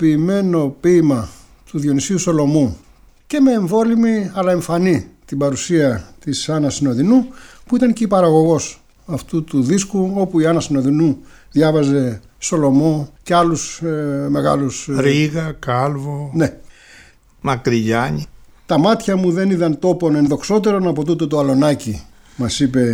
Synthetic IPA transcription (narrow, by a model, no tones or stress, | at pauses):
piːme̞no̞piːmɐ | t̪uðjo̞nisiuso̞lo̞mu | ce̞me̞ːɱvo̞limiɐlɐe̞ɱfɐnit̪ibɐɾusiɐt̪isɐnɐsino̞ðinupuit̪ɐnceipɐɾɐɣo̞ɣo̞s | ɐft̪ut̪uðiskuo̞puiɐnɐsino̞ðinu | ðʝɐvɐze̞ | so̞lo̞mo̞ce̞ɐlusme̞ɣɐ̰lusɾiɣɐkalvone̞ | mɐkɾiʎaɲi | t̪ɐmɐt̪çɐmuðe̞niðɐnt̪o̞po̞ne̞nðo̞kso̞t̪̬e̞ɾo̞nɐpo̞t̪ut̪ot̪oɐlo̞nɐci | mɐsipe̞